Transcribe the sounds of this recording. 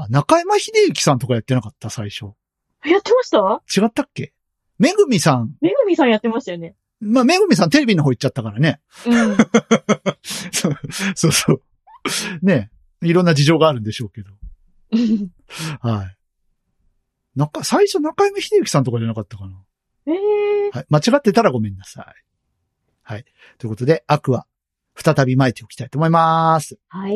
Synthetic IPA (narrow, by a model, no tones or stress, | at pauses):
anakaimaçid̪eɯ̟kʲi̥sãnt̪o̞kajat̪ːe̞nakat̪ːasaiɕo̞ | jat̪ːe̞maɕt̪at͡ɕiɡat̪ːakːe̞ | me̞ɡɯmʲisãŋmeɡɯ̟mʲisãɰ̃jat̪ːe̞maɕit̪ajone | maːme̞ɡɯ̟mʲis̬ãnt̪e̞ɾe̞bʲinoɦoːitt͡ɕːt͡ɕat̪ːakaɾane̞ | sosoːsoː | ne̞ | iɾonːad͡ʑiʑo̞ːɡaːɾɯ̟̃nd̪e̞ɕo̞ːke̞d̪o̞ | hai | nakasaiɕonãkaimeçid̪eɯ̟kʲi̥sãnt̪o̞kad͡ʑanakat̪ːakana | haimat͡ɕiɡat̪ːe̞t̪aɾaɡo̞mẽ̞nːasa̰i | hai | t̪oi̟kot̪o̞d̪e̞akɯ̟βa | ɸɯ̟̥t̪at̪abʲimaet̪ʲːeoki̥t̪ait̪o̞ːmo̞imasɨ̥hai